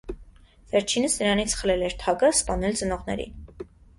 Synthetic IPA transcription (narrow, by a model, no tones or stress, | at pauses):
vɛɾt͡ʃʰinəsnəɾɑnit͡sʰχəlɛlɛɾt̪ʰɑkəspɑnɛlt͡sənɔʁnɛ̰ɾḭn